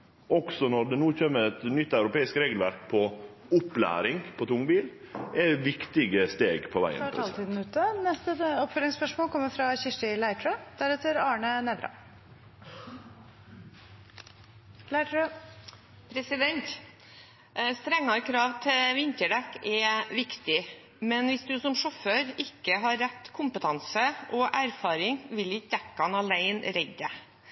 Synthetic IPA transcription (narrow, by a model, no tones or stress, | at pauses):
ɔɡsɔnɔɖ̪ɛnuːçøːməɾɛt̪nʏt̪ːɑʉɾʊpeːɪskɾeːɡəlʋæɾk̚pʰɔ | ʊplæ̰ːɾɪŋpʰɔt̪ʰʊŋbiːl | ɛɪʋɪkt̪ɪɡəst̪eːɡpʰɔʋæ̰ɪə̰ɑːlt̪ʰiːd̪n̩ʉːt̪ənɛst̪əɔpfœlɪŋspœʂmoːlkʰɔmːəɾfɾɑçɪʂʈɪlæɪʈʰɾød̪̥æɾɛt̪əɾɑːɳənɛːd̪ɾɑ̰ | læ | pʰɾɛsɪd̪ɛnt̪ | st̪ɾɛŋːɑɾkʰɾɑːʋt̪ʰɪlʋɪnt̪əɖɛkːɛʋɪkt̪ɪ | mɛnʋɪsd̪ʉsɔmʂɔføːɾɪkːəɦɑɾːɛt̪ːkʰʊmpət̪ʰɑnsəʔɔʔæɾfɑːɾɪŋʋɪlɪjɛkːɑnɑlæɪnɾɛɡə